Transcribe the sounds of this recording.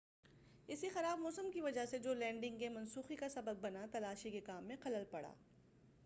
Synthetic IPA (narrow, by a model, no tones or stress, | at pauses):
ɪsixɐɾaːbmɔːsəmkiʋɐd͡ʒased͡ʒoːlɛ̃ːɳɖɪ̃ŋɡkemɐnsuːxikasɐbəb̚ːɐnat̪ɐlaːʃikekaːmːẽqɐləlpɐɽa̰ː